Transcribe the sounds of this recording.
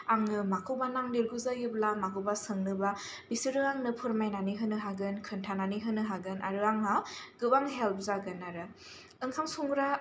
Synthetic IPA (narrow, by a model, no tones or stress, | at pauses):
aŋɯmakʰɯwbanaŋniɾɡuzajɯblamakʰɯwbasɯŋnɯba | bisɯɾɯaŋnɯpʰɯɾmajnaniɦɯnɯɦaɡɯnkʰɯntʰananiɦɯnɯɦaɡɯnʔa̰ɾɯaŋaɡ̥ɯbaŋɦelp̚ʰzaɡɯnaɾɯ | ɯŋkʰamsuŋɾa